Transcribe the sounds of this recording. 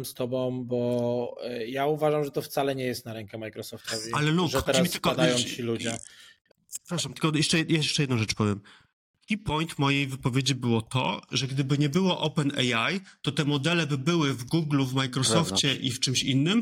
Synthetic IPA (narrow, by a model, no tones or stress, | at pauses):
mst̪ɔbɔ̃w̃bɔ | jauvaʐamʐɛt̪ɔft̪salɛɲɛjɛst̪̚naɾɛŋkamajkɾɔsɔft̪ɔvialɛluʐt̪ɛɾsmit̪ɪlkɔd̪ajɔ̃t͡ɕilud͡ʑɛ | pɾaʂamt̪ɘ̥lkɔjɛʂt͡ʂɛjajɛʂt͡ʂɛjɛd̪̃w̃ʐɛt͡ʂpɔvʲjɛm | ipɔjnt̪mɔjejvɘpɔvʲjed͡ʑibɘwɔt̪ɔ̰ʐɛɡd̪ɘbɘɲɛbɘwɔʔɔpɛnɛ̰jajt̪ɔt̪ɛmɔd̪ɛlɛbɘbɘwɘvɡuɡluvmajkɾɔsɔft͡ɕɛʔift͡ʂɘmɕinːɘm